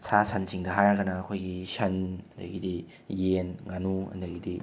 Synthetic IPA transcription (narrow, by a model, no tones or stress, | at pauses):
sʰasʰansiŋdɐɦajɾaɡɐnɐːkʰojɡisɐnɐndɐ̰ɡidi | jenŋanuɐ̰ndɐɡidi